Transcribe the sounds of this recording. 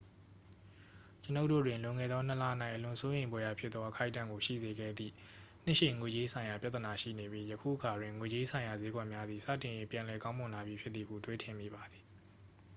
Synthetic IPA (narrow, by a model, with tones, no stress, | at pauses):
t͡ɕə˨no˦ʊʔtːo̰˦˨dwɪ̃˨nlʊ̃˨ŋɛ̰˦˨d̪ðɔ˦n̥ə˨la˦˨ən̥a˦ɪʔəlʊ̃˨so˦jẽ˨ɪ̃mbwɛ˦ja˨pʰjɪ˦t̪ðɔ˦ʔəkʰa˦ɪʔtːã̰˦˨ŋɡo˨ʃḭ˦˨ze˨ɡɛ̰˦˨d̪ðḭ˦˨ | n̥ɪ˦˨ʃe˦˨ŋwe˨d͡ʑe˦sʰã˨ɪ̃ja˨pja˦t̪ːə˨na˨ʃḭ˦˨ne˨bji˦jə˨kʰṵ˦˨ʔəkʰa˨dwɪ̃˨ŋwe˨d͡ʑe˦sʰã˨ɪ̃ja˨ze˨˦ɡwɛ˦˨ʔmja˦d̪ði˨sä̰˦˨tɪ̃˨je˦pjã˨lɛ˨kã˦ʊ̃mʊ̃˨nla˨bji˦pʰjɪ˦t̪t̪ːi˨ɡṵ˦˨twe˦tʰɪ̃˨mḭ˦˨ba˨d̪ði̥˨